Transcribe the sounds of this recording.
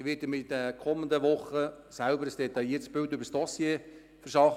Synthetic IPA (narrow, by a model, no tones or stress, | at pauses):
ʋɪtəmidəkʰɔmənd̪əʋʊχə | sælbəɾəsd̥ɛt̪ɑjiːətsb̥ɪltʏbəɾsd̥ɔsjeː | fərʃɑχ